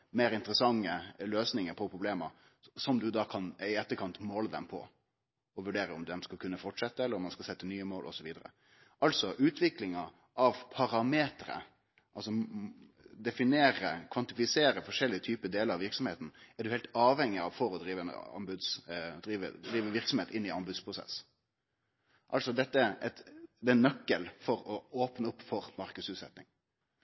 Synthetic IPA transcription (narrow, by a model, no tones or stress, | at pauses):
meːɾɪnt̪əɾəsɑŋːəløːsnɪŋəɾpʰɔpʰɾʊbleːmə̰ɾ | sɔmd̪ʉd̪ɑːkʰɑnɪɛt̪ːəɾkʰɑnt̪moːləd̪ɛ̰mpʰɔ̰ | ɔʋʉɖeːɾəɔmd̪ɛmskɑlkʉnːəfɔʈʂɛt̪ːəɛlːəɾɔmːɑnskɑlsɛt̪ːənyːəmoːlʔɔ̰sɔʋiːd̪əɾə̰ | ʔɑlt̪sɔʔʉːt̪ʰʋɪklɪŋɑ | ʔɑʋpʰɑɾɑmeːt̪ɾə̰ | ʔɑlsɔ | d̪ɛfɪneːɾə̰kʰʋɑnt̪ɪfɪseːɾəfɔʂɛlːɪət̪ʰyːpəd̪eːləɾɑʋɪɾksɔmheːt̪n̩ɛæɖʉhɛɪlt̪ɑːʋhɛŋːɪɑʋfɔɾɔd̪ɾiːʋəɛnɑ̰mbʉd̪sd̪ɾiːʋə̰d̪ɾiːʋəʋɪɾksɔmheːt̪ɪnːɪɑmbʉːd̪spʰɾʊsɛ̰s | ʔɑlsɔd̪ɛt̪ːəɛt̪d̪ɛɛnːœkːəlfɔɾɔoːpnəʊpːfɔɾmɑɾkʉsʉːt̪sɛ̰t̪nɪŋ